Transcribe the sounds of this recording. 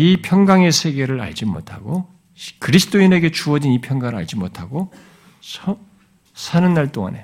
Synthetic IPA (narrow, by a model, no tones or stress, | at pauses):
ipʰjʌŋɡaŋe̞sʰe̞ɡe̞ɾɯɾa̰ɭd͡ʑimo̰tʰaɡo | kɯɾisʰɯ̥t͈oine̞ɡe̞t͡ɕuʌd͡ʑinipʰjʌŋɡaŋɯɭa̰ɭd͡ʑimotʰaɡo | sʌ | sʰanɯnːaɭt͈oŋa̰ne̞